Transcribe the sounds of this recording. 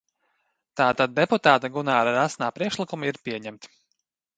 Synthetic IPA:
t̪aːt̪ad̪̚ːeput̪aːt̪aɡunaːɾaɾasnaːpɾiɛkʃlˠikumiɾpʲiɛɲæmt̪

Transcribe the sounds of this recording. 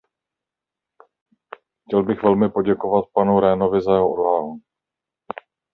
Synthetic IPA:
xcɛlbɪxvɛlmɪpo̞ɟɛko̞vat̪̚panuɾɛːno̞vɪzajɛɦoʔodɦalu

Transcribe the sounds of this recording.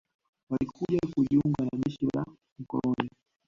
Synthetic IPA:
walikuʄakuʄiuŋɡanaʄɛʃila̰ | m̩kɔ̰lɔni

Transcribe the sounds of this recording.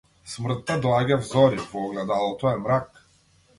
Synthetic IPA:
smr̩t̪ːad̪lˠaɡavzɔɾivɔɔɡlɛd̪alˠt̪ɔɛmɾak

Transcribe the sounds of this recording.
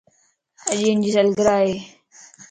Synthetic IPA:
əʄiːnd͡ʑiːsəlɡəɾaːɦeː

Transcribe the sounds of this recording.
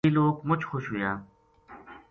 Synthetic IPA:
iːloːkmʊt͡ʃxoʃɦʊjaː

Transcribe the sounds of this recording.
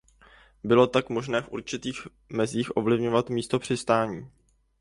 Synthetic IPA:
bɪlo̞t̪akmo̞ʒnɛːfʔṵɾt͡ʃɪt̪iːx | mɛziːxʔo̞vlɪvɲo̞vat̪miːst̪o̞pr̝̥ɪst̪aːɲiː

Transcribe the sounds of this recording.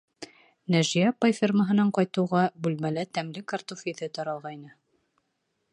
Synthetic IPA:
næʒijæpajfʲirməɦɤ̆nɑɴqɑjt̪ɤ̆wʁɑbʉlmælæt̪æmlɘkɑɾt̪ufijðɘt̪ɒɾɑlˠʁɑjnɤ

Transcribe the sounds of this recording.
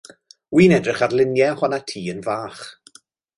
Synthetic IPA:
wiːnɛdrɪχarlˠɪnjɛhɔnatʰiːənvaːχ

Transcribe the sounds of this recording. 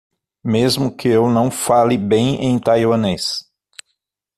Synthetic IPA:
mezmʊkʰɪewnɐ̃w̃falɪbẽj̃ẽj̃t̪ajwɐnes

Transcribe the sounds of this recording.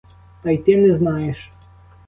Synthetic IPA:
t̪ajt̪ɛnɛznajɛʂ

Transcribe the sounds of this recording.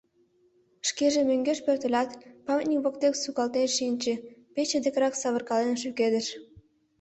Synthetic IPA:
ʃkeʒemøŋɡeʃpørt̪ə̆lʲɑt̪pɑmʲt̪nʲikβokt̪eksukɑlt̪eʃinʲt͡ɕĕpet͡ɕed̪ekɾɑksɑβərkɑlenʃyked̪əʃ

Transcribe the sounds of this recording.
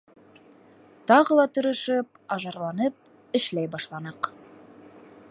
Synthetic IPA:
t̪ɑʁɤlˠɑt̪ɵ̆ɾɤ̆ʃɘp̚ | ɑʒɑɾlˠɑnɤp̚ | ɘ̆ʃlæjbɑʃlˠɑnɤq

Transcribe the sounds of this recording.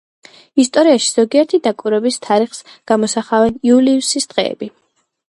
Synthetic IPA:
ist̪ʼɔɾiaʃi̥z̥ɔɡiɛɾt̪ʰid̪akʼiɾɛbist̪ʰaɾiχsɡ̥amɔsaχavɛniuliusisd̪̥ʁɛ̰ːbi

